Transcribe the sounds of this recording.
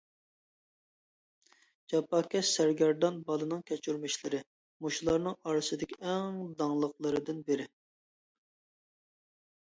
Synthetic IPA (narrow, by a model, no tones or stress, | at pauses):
d͡ʒɑpːɑkʲɛʃsæɾɡʲɛɾd̪ɑnbɑlˠɨnɨŋkʲʰɛt͡ʃʰyɾmɪʃlɪɾɪ | muʃulˠɑɾnɨŋɑɾɨsɨd̪ɪkʲʰiɛŋd̪ɑŋlˠəqlˠɨɾɨd̪ɪnbɪɾɪ